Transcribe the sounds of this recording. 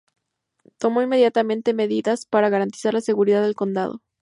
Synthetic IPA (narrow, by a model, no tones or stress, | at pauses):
t̪o̞mo̞inme̞ðjat̪amẽ̞nt̪eme̞ðiðaspaɾaɣaɾant̪i̥saɾlase̞ɣuɾiðaðe̞lko̞nd̪a̰ðo̰